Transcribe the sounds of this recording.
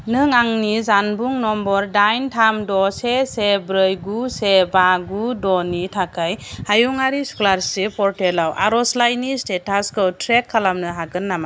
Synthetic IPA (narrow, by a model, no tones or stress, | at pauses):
nɯŋaŋnizanbuŋnɔmbɔɾdajntʰamdɔsesebɾɯjɡusebaɡudɔnitʰakʰajhajuŋaɾisu̥klaɾsipʰɔɾtelawʔa̰ɾɔslajnistetaskʰɯwtʰɾekʰːalamnɯɦaɡɯnːama